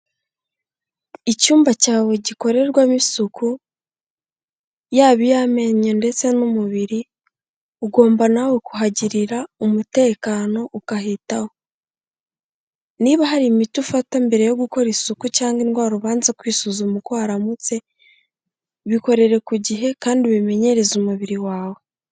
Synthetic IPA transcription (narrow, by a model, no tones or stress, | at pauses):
icuːmbacaːwe̞ɟiko̞ɾe̞ɾɡwamisuku | jaːβijaːme̞ɲende̞t͡se̞numuβiɾi | uɡo̞ːmbanawe̞kuɦaɟiɾiɾaumute̞ːkaːno̞ʔukaɦitaho̞ | niβaɦaɾimitufatambe̞ɾe̞jo̞ɡuko̞ɾisukucaːŋɡinɡwaːɾuβaːnzakwiːsuzumukwaːɾamut͡se̞ | βiko̞ɾe̞ɾe̞kuɟiɦe̞kaːndiβime̞ɲe̞ɾe̞zumuβiɾiwaːwe